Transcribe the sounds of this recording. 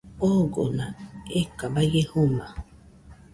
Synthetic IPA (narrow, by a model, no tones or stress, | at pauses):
oɡo̰naekabajehuma